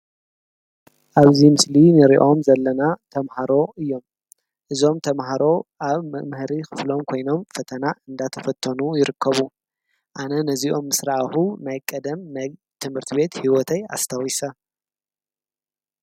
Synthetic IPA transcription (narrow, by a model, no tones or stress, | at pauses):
ʔaβzimɨslinɨɾiʔo̞mzɐlːɐnat̪ʰɐmhaɾo̞ʔɨjːo̞m | ʔɨzo̞mt̪ʰɐmɦaɾo̞ʔaβmɨhɾixɨflo̞mkʰo̞jno̞mfɐt̪ʰɐnaʔɨnd̪at̪ʰɐfɐt̪ʰːɐnujɪɾɨkʰːɐβu | ʔanɐnɐziʔo̞mːɨsɾaʔxunajkʼɐd̪ɐmnaj | t̪ʰɨmhɨɾt̪ʰiβe̞t̪hiwɔt̪ʰɐja̰st̪ʰawisɐ